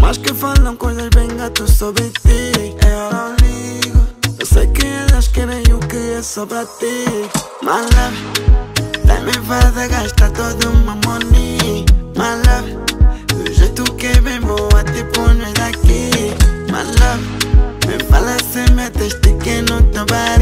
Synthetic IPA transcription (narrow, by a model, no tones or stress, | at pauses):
maʃkɨfalɐ̃w̃kojzɐʒbẽj̃ɡat̪usoβɾɨt̪iaɔɾaliɣʊewsejkɨɛlɐʃkɛɾẽj̃ukɨɛsɔpɾat̪i | mala | t̪ã̰mẽvaðaɣaʃt̪at̪oðumamonimala | d̪uʒejt̪ʊkeβẽj̃boat̪ipʊneðakima̰la | mḛ̃falasemɛt̪eʃt̪ɨkenut̪ɾaβaɾ